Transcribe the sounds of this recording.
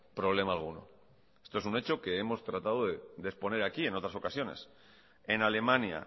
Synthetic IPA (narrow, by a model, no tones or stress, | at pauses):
pɾo̞β̞le̞maːlɣ̞uno̞̰ | est̪oesune̞t͡ʃo̞ke̞emo̞st̪ɾat̪aðoðed̪espo̞ne̞ɾakie̞no̞t̪ɾaso̞kasjo̞ne̞̰s | e̞nale̞mãnja̰